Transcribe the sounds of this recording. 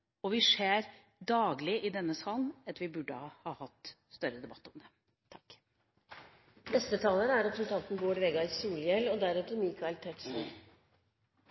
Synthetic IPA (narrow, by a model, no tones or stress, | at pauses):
ɔʋɪʂeːɾ | d̪ɑːɡlɪʔɪd̪ɛnːəsɑːlnɑt̪ʋɪbʉɖːəɑhɑːhɑt̪ː | st̪œɾəd̪ɛbɑt̪ːɔmd̪ɛ | t̪ʰɑ̥k | bɛst̪ət̪ʰɑːləɾəæɾəpɾsənt̪ɑnt̪nboːɖʋɛːɡɑɪsuːljɛlːɔd̪æɾʉt̪əɾmiːkɑɛlt̪ʰɛʈ̪sn